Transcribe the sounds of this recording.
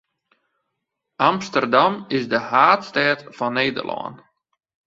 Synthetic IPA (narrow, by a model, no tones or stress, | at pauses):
ʔamstərdamɪsdəhaːtstɛːtfɔnːeːdə̰rlʔɔ̰ːn